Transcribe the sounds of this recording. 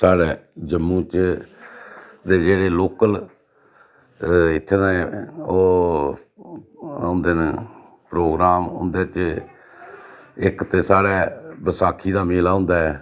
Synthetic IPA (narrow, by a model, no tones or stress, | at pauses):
saːɽɛːd͡ʒəmːũːt͡ʃ | d̪eːd͡ʒeːɽeːloːkəl | ɪt̪ʰːenãːɛoː | nd̪eːn | pɾoːɡɾaːmʊ̰̃nd̪eːt͡ʃ | ɪkt̪eːsaːɽɛːbəsaːkʰiːd̪aːmeːlaːʊ̃nd̪aːɛː